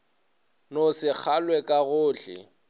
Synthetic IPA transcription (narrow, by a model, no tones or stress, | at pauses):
nosɪk͡xʰalwɛkʼaɣʊːɬɪ̰